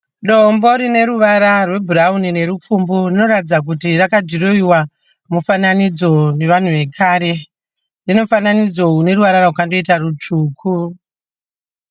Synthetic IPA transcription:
ɗombo̞ɾine̞ɾuʋaɾarwe̞bʱuraunine̞ɾup͡fumburino̞ɾatid͡zak̬utirakad͡ʒiɾoiwa | mufananid͡zo̞ne̞ʋan̤uʋe̞kʰaːɾe̞ | rino̞ufananid͡zo̞une̞ɾuʋaɾaraɦukando̞itarut͡ʂuːkʰu

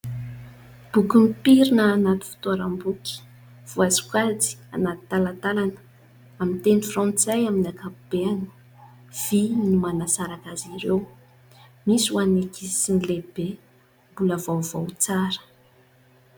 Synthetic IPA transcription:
b̥ukumpiɾinəːnat̪u̥fi̥t̪oaɾambukʲi̥ | v̥uazu̥kazi̥a̰nat̪i̥t̪alat̪alanə̥ | amint̪enifrɔ̃nt͡sajaminakab̥eanə̥ | v̥inimanasaɾakaziɾew | misuanekisinilebe | mbuləvowvowt͡saɾə̥

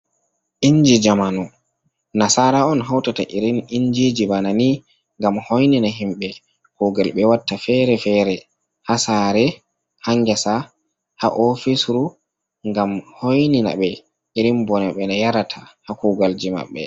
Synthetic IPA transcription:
ʔiɲd͡ʒid͡ʒamanɔ | nasaɾaɔnɦawtata̰ʔiɾiniɲd͡ʒed͡ʒibanani | ŋɡamhojninaɦimɓɛ | kuɡalɓɛwatːafɛɾɛfɛɾɛ | hasaːɾɛ | haŋɡɛsa | ha̰ʔɔfisɾu | ŋɡamhojnina̰ɓɛ | iɾimbɔnaɓɛnajaɾatʰahakuɡald͡ʒima̰ɓːɛ̰

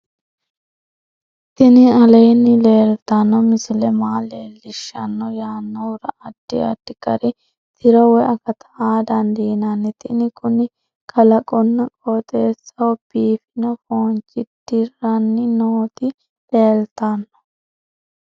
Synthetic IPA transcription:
t̪ɪnɪɐlɐjnːɪle̞ːlt̪ɐnːɔmɪsʊlɛmaːle̞ːlːɪʃːɐnːɔjaːnːɔʊɾɐʔɐd̪̥ːɪɐ̰d̪ːɪkʼɐɾɪ | t̪ʰɪɾɔwɛɐkɐt̪ʰɐaːd̪ɐnd̪iːnɐnːɪt̪ɪnɪkʰʊnɪ | kʰɐlɐkʼɔnːɐkʼoːt̪ʼeːsːɐwɔb̥iːfɪnɔfoːnt͡ʃʼːɪd̪̥ɪrɐnːɪnoːt̪ɪ | le̞ːlt̪ɐnːɔ̥

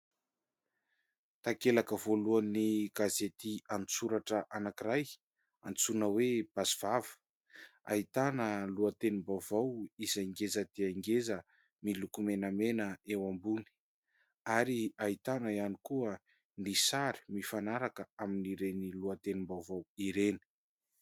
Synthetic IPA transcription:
t̪akelakəvoluaniɡ̥azet̪iant͡suɾaʈ͡ʂəʔanakiraj | ant͡sunəweb̥asiv̥avə̥ | a̰it̪anəluat̪enimbawvawizaŋɡezəd̪̥eaiŋɡezə | milukumenəmenəewambuni̥ | aɾiait̪anəianikuə | nisaɾi̥mifanaɾakəaminiɾeniluat̪enimbawvawiɾeni̥

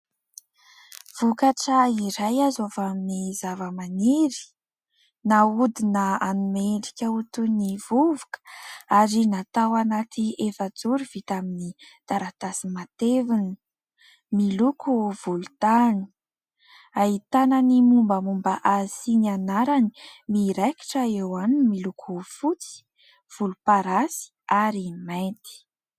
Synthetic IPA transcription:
v̥ukaʈ͡ʂəiɾajazavaminizavəmaniɾi̥ | naud̪inəanumeɳɖ͡ʐikʲaut̪univuvukə̥aɾinat̪awanat̪ʰiefəd͡zuɾuv̥it̪aminid̪̥aɾat̪asimat̪evuni̥ | milukʰuv̥ulut̪ani̥ | ait̪ananimumbəmumbəʔasinianaɾani̥miɾeki̥ʈ͡ʂəewanmilukʰufut͡si̥ | v̥ulupaɾasi̥aɾimant̪i̥

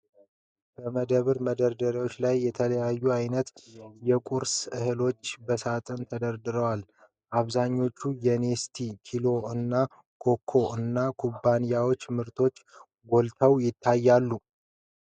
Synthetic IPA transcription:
bəməd̪əβɨɾməd̪əɾd̪əɾiwo̞t͡ʃːlajːɛt̪ʰələjajːuajnət̪jɛkʼuɾsɨhɨlo̞t͡ʃːbəsat̪ʼənt̪ʰəd̪əɾd̪ɨɾəwal | ʔaβzaɲːo̞t͡ʃːujɛnest̪ʰikʰilo̞ɨnːa | kʰo̞kʰːo̞ɨnːakʰubːanijawo̞t͡ʃːmɨɾt̪ʰo̞t͡ʃː | ɡo̞lt̪ʰəwjɪt̪ʰːajːalːu

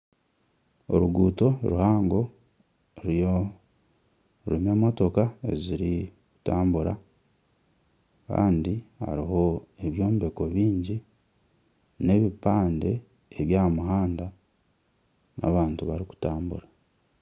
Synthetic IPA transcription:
o̰ɾuɡuːto̞ɾuhaːŋɡo̞ | ɾijo | ɾime̞ːmo̞to̞kae̞̰ziɾiku̥taːmbuɾa̰ | ka̰ːndiha̰ɾiɦo̞e̞βjo̞ːmbe̞ko̞βiːɲɟi | ne̞βipaːnde̞ː | βjamuɦaːnda | na̰βaːntuβaɾiku̥taːmbṵɾa

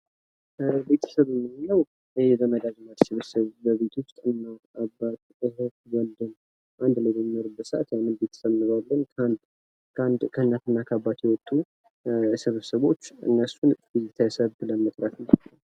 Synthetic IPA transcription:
be̞t̪ʰə̥səβɨmːɨnɨnːəw | jjɛzəməd̪ad͡ʒmad̪sɨβsəβbəβe̞t̪ʰo̞st̪ʼɨnːaabat̪ | əɦokwɔld̪ɨn | ʔand̪ləlminoɾubət̪səʔa̰t̪janːɨnbe̞t̪ʰə̥səβnɨβalːənkʰand̪ʰ | and̪kʰəhɨnːat̪ɨnːakʰabːat̪ʰjɛwɔt̪ʼːu | sɨβsəβo̞t͡ʃːɨ̰nːəsunbizit̪ʰajsəβləmət̪ʼɾafɨnː

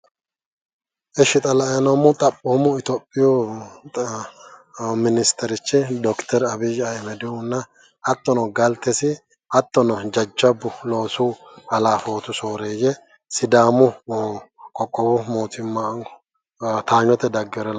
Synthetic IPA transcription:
ʔɛʃɪt̪ʼɐlɐɐnɐmːʊt̪ʼɐpʼːomʊɪt̪ɔpʼːɪjo | mɪnɪst̪ʰɛɾɪt͡ʃːɪd̪ɔkt̪ʰɛɾɐbɪd͡ʒɐmɛd̪ɪhʊnːɐ | hɐt̪ːɔnɔɡɐlt̪ːɛsɪ | hɐt̪ːɔnɔd͡ʒɐd͡ʒːɐbːʊlo̞ːsuːɐlaːfo̞ːt̪ʊsoːɾeːjɛ | sɪd̪aːmʊ | kʼɔkʼːɔbʊmoːt̪ɪmːa | t̪aːɲːɔt̪ːɛd̪ɐɡːɛɾɛl

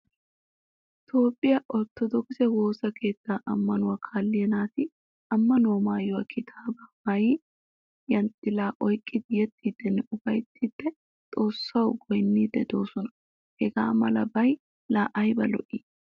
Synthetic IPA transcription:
ʔ | ɪt̪o̞ːpʼːɪjɐʔɔt̪ːɔd̪ɔksɛwo̞ːsɐke̞ːt̪ːaːʔɐmːɐnʊwɐkʰaːlːɪjɛnaːt̪ɪ | ɐmːɐnʊwɐmaːjɔwɐkʰɪt̪ʰaːbɐmaji | jɐnt̪ʼɪlaːʔɔjkʼːɪd̪ɪjɛt̪ʰʼːiːd̪ːɛnːɛʊbɐjt̪ʰːiːd̪ːɛ | t̪ʼo̞ːsːɐwɡɔjnːiːd̪ɛd̪o̞ːsɔnɐ̥ | hɛɡa̰ːmɐlɐbɐj | laːʔɐjbɐlɔ̰ʔiː

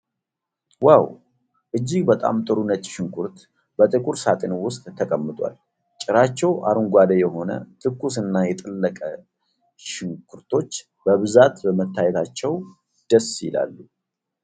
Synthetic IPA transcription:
waw | ʔɨd͡ʒːɪɡbət̪ʼa̰mt̪ʼɨɾunət͡ʃ̪ʼʃɪŋkʰuɾt̪ | bət̪ʼɨkʼuɾsat̪ʼɪnwʊst̪ʼːʰəkʼəmːɨt̪ʼwa̰l | t͡ʃʼːɪɾat͡ʃːɛwʔa̰ɾuŋɡʷad̪əjɛɦo̞nə̰t̪ʰɨkːusɨnːajɛt̪ʼɨlːəkʼə | ʃɪŋkʰuɾt̪ʰo̞t͡ʃː | b̥əβɨzat̪bəmət̪ːajɛt̪ʰat͡ʃːɛw | d̪̥əsjɪ̰la̰lːu

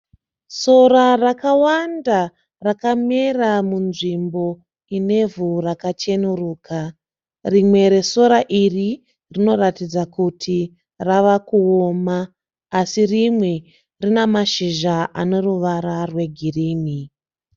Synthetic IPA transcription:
so̞ɾarakawanda | rakameramunʐimbo̞ | ine̞vurakat͡ʃe̞nuruːkʰa | rimwe̞ɾe̞so̞ɾaʔiri | rino̞ratid͡zakutʰi | raʋakuomaː | sirimwe̞ | rinemaʃiʒaʔano̞ruʋaɾarwe̞ɡʱiriːni

